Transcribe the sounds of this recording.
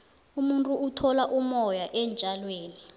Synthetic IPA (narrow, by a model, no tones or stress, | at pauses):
umuntʼuːtʰɔlaʔumɔjaʔɛnd͡ʒʱalweːni